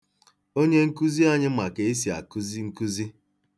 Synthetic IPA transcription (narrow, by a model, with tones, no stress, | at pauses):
o˦ɲe˦ŋ̩˦ku˦zi˦a˦ɲɪ˦ma˨ke˨i˦s̬i˨a̰˨ku˦zi˦ŋ̩˦ku˦zi˦